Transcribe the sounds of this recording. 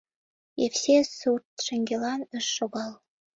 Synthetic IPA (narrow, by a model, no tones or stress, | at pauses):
jewsʲesurt̪̚ʃɘ̆ŋɡʲelɑnə̆ʃːoɣɑlˠ